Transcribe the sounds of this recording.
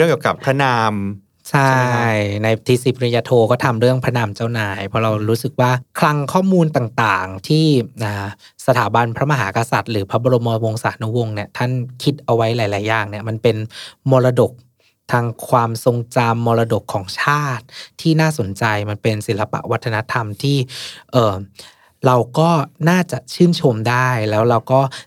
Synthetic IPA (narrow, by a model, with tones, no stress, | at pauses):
ɯ˥˩əŋkːiː˨˩ka˨˩pʰɾa˦˥naː˧m | t͡ɕʰa˥˩jna˧jt̪ʰiː˦˧˥si˨˦pɾi˧jaː˧t̪ʰoː˧kɔː˥˩t̪ʰa˧mɾɯ˥˩əŋpʰa˦˥naː˧mt͡ɕaː˥˩wnaː˩˦jpʰɔ˦˥ɾa˧wɾuː˦˥sɯ˨˩k̚waː˥˩kʰɾa˦˥ŋkʰɔː˥˩muː˧nt̪aː˨˩ŋt̪aː˨˩ŋt̪ʰiː˥˩ʔaː˨˩ | sa˧t̪ʰaː˩˦ba˧npʰɾa˦˥ma˧ɦaː˩˦ka˧sa˨˩t̪̚ɾɯː˩˦pʰɾa˦˥bɔ˧ɾo˧mɔː˧wo˧ŋsaː˩˦nu˦˥wo˧ŋni˥˩ət̪ʰa˥˩nkʰi˦˥t̪̚ʔa˧wa˦˥jlaː˨˩˦jlaː˩˦jːaː˨˩ŋni˥˩ɐma˧npe˧nmɔː˧ɾa˧do˨˩k̚ | t̪ʰaː˧ŋkʰwaː˧mso˧ŋt͡ɕa˧mːɔː˧ɾa˧do˨˩kʰːɔː˩˦ŋt͡ɕʰaː˥˩t̪̚ʰːiː˥˩naː˥˩so˨˩˦nt͡ɕa˧jma˧npe˧nsi˨˩˦la˧pa̰˨˩ʔwa˦˥t̪ʰːa˧na˦˥t̪ʰa˧mt̪ʰiː˥˩ʔɤː˨˩ | ɾa˧wkɔː˥˩naː˥˩t͡ɕa˨˩ʔt͡ɕʰɯː˥˩nt͡ɕʰo˧mdaː˥˩jlɛː˦˥wɾa˧wkɔː˥˩